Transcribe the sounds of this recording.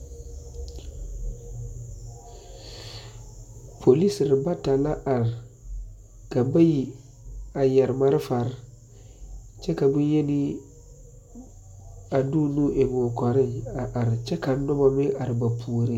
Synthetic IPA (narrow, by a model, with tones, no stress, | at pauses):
pʰo˨li˦sɾɪ˨ba˦ta˨la˦ʔa˨ɾ | ka˨ba˦ji˨ | a˨jɛ˨ɾma˦ɾɪ˦fa˨ɾ | t͡ʃɛ˦ka˨bu˦je˦ni˦ | a˨du˦nũ˦ʔe˨m˨o˨kɔ˨ɾɪ̃˦˨a˨ʔa˨ɾt͡ʃɛ˦ka˨nː˦ɔ˦ba˨me˦ʔa˨ɾɪ˨ba˨pʰuː˨ɾi˦˨